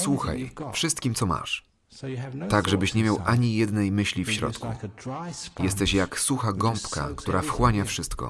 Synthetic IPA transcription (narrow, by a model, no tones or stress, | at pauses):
swuxa̰jfʂɘst̪kʲimt̪sɔma̰ʂ | t̪aɡʐɛbɘɕɲɛmʲjawʔaɲijɛd̪nɛjmɘɕlʲifɕɾɔ̰t̪kṵ | jɛst̪ɛɕjaksuxaɡɔmpka̰kt̪uɾʔafxwaɲafʂɘst̪kɔ̰